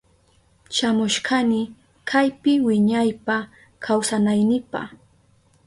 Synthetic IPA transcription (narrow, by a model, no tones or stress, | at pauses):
ʃamʊʃkanɪ | kʰajpɪwɪɲajpa | kʰawsanajnɪpa̰χ